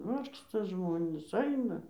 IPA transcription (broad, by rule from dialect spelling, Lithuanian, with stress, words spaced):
ˈʋɐrkstɐ ˈʒmoːnʲiːs ˈɐɪnɐ